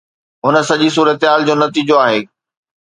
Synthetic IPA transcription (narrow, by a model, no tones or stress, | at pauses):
ɦʊnə̆sɐʄis̬uːɾət̪ɦaːld͡ʑoːnɐt̪iːd͡ʑoaːɦeː